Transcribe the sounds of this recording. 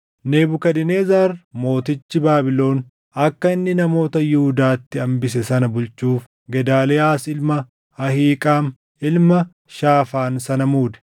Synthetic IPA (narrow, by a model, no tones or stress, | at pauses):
ne̞ːbʊkɐd̪ɪne̞ːzaːɾmo̞ːt̪ɪt͡ʃːɪbaːbɪlo̞ːn | ɐkːɐɪnːɪnɐmo̞ːt̪ɐjʊhʊd̪aːt̪ːɪɐmbɪs̬ɛsɐnɐbʊlt͡ʃuːf | ɡɛd̪aːlɛaːsɪlmɐ | ɐhiːkʼaːm | ɪlmɐ | ʃaːfaːnsɐnɐmuːd̪ɛ̥